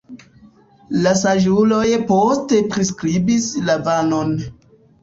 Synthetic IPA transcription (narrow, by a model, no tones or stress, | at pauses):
lasaʒulo̞jposte̞pɾiskɾibislavanon